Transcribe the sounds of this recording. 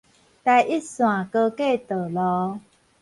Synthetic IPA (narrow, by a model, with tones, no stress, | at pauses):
t̪ɛ˧ʔi˦sũ˨ã˨kə˧ke˥˦˨t̪ə˨lɔ˨˦